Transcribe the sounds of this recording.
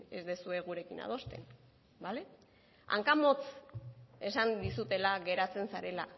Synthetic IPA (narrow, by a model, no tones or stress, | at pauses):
e̞zd̪e̞sue̞ɣ̞uɾe̞kina̰ðo̞st̪e̞̰n | bale̞ | a̰ŋkamo̞t͡s | e̞sand̪isut̪e̞laɣe̞ɾat͡se̞nsaɾe̞la